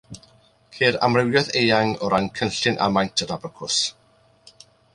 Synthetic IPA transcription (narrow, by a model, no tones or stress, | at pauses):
kʰeːɾa̰mrɪwjɔðejaŋɔɾankʰənɬɪnʔa̰majntʰəɾabrəkʰʊs